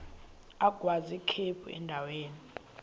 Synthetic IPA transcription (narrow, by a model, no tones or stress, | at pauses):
aɡ̥ʱwazikʰepʰṵɛ̰ndʱaweːni